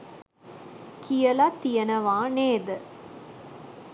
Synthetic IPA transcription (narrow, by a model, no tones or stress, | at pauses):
kijɐlat̪ijɐnɐʋãːneːd̪ɯ